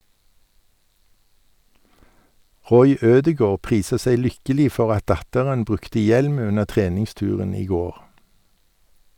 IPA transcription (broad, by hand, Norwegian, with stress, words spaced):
ˈʁɔʏ ˈøːdəˌɡoːʁ ˈpʁiːsə ˈsæɪ ˈlʏkəliː ˈfɔʁ ˈɑt ˈdɑtəʁən ˈbʁʉktə ˈjɛlm ˈʉnə ˈtʁeːnɪŋˌstʉːʁən ˈiː ˈɡoːʁ